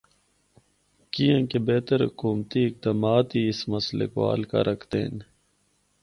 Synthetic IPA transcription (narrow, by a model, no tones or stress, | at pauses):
kiãːkebeːt̪əɾhʊ̰kuːmt̪iɪk̚d̪ɐmaːt̪iɪsmɐslḛkoa̰ːlka̰ɾʔɐkʰt̪ḛːn